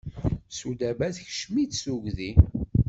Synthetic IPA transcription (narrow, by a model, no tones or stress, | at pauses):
sud̪æbæθçə̥ʃmit͡ssuʝði